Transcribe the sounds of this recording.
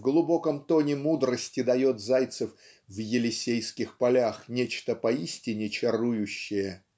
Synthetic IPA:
vɡlˠʊbo̞kəmt̪o̞nʲɪmud̪ɾəsʲtʲɪd̪ɐjo̞t̪zajt̪sɨf | vjɪlʲɪsʲejskʲɪxpɐlʲaxnʲet͡ɕt̪əpɐisʲtʲɪnʲɪt͡ɕɪrujʊɕːɪjə

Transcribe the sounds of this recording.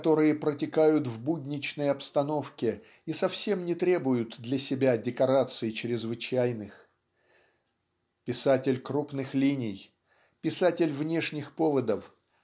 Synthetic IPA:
ɐt̪o̞ɾɨjəpɾətʲɪkajʊt̪vbudʲnʲɪt͡ɕnəjɐpst̪ɐno̞fkʲɪ | isɐfsʲe̞mnʲɪt̪ɾʲe̞bʊjʊt̪d̪lʲɐsʲɪbʲadʲɪkɐɾat̪sɨɪt͡ɕɾʲɪzvɨt͡ɕæjnɨx | pʲɪsatʲɪlʲkrupnɨxlʲinʲɪj | pʲɪsatʲɪlʲvnʲe̞ʂnʲɪxpo̞vəd̪əf

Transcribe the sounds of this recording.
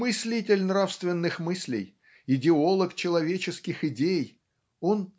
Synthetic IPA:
mɨsʲlʲitʲɪlʲnrafst̪vʲɪnːɨxmɨsʲlʲɪ̰j | ɪdʲɪo̞lˠəkt͡ɕɪlˠɐvʲet͡ɕɪskʲɪxɪdʲej | o̞n

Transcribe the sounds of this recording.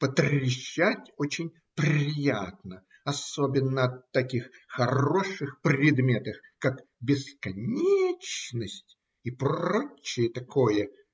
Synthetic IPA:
pət̪ɾʲɪɕːatʲot͡ɕɪnʲ | pɾʲɪjat̪nə | ɐso̞bʲɪnːəɐt̪ːɐkʲixxɐro̞ʂɨxprɾʲɪd̪mʲe̞t̪əxkakbʲɪskɐnʲet͡ɕnəsʲtʲ | ipot͡ɕːɪjət̪ɐkʰo̞jə

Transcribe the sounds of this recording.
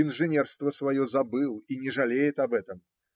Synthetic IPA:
inʐɨnʲɛrst̪vɐsvajɔzɐbɨlˠinʲɛʐɐlʲejɛt̪ɐbɛt̪ɐm

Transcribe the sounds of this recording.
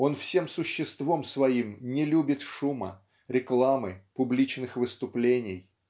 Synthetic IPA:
o̞nfsʲe̞msʊɕːɪst̪vo̞msvɐimnʲɪlʲubʲɪt̪ʂumə̰ | ɾʲɪklˠamɨpʊblʲit͡ɕnɨxvɨst̪ʊplʲenʲɪj

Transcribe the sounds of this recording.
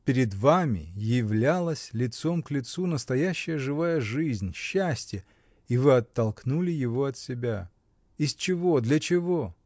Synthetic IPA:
pʲɪɾʲɪd̪vamʲɪ̰jɪvlʲalˠəsʲlʲɪt̪so̞mklʲɪt̪sunəst̪ɐjæɕːɪjəʐɨvajəʐɨzʲnʲɕːæsʲtʲjə | ivɨɐt̪ːɐlˠknulʲɪjɪvo̞ɐt̪sʲɪbʲa | ɪst͡ɕɪvo̞d̪lʲɐt͡ɕɪvo̞

